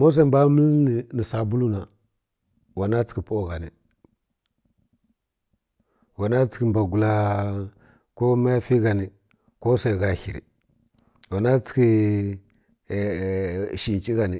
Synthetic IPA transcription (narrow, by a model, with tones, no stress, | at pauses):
mo˦s̬e˦˨mba˦mə˦lni˨sa˨bu˦lu˦na˨ | wa˨na˦t͡si̥˨ki˨po˦˨ɡa˨ni˨ | wa˨na˦t͡si̥˨ki˦mba˨ɡu˨la˦ | ko˦ma˦ja˦fi˦ɡa˨ni˨ | ko˦sa˨i˨ɡa˨hi˨ɾḭ˨ | wa˨na˦t͡si̥˦ki˦˨ | ʃi˨nt͡ʃʼi˦ɡa˨ni˨